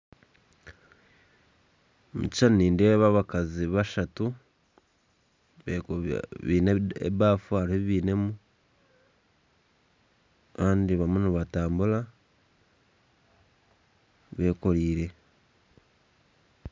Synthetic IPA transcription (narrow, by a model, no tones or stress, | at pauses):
mṵci̥ʃaniːndeβaβakaziβaʃatu | βeβḭːneḛβaːfuaɾieβiːne̞mu | kaːndiβamuniβataːmbula | βe̞ːko̞ɾiːɾe̞